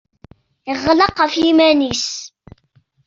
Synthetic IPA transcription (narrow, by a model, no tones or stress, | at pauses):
ɪʁlɑqːəfjimænis